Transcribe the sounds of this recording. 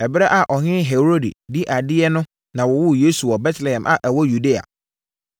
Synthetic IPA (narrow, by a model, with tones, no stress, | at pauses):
ɛ˨bɾɛ˦ʔa˨ʔɔ˨ɦɪ̃˦ɦe˨ɾo˦dḭ˨di˦ʔa˨dɪ˦ɛ˦nʊ̃˦ | nã˨wɔ˨wʊ˦jeː˦su˨ɔ˨bɛ˦tlɛ˨hɛ̃˨mʔa̰˨ʔɛ˨wɔ˦ju˨de˦a̰˨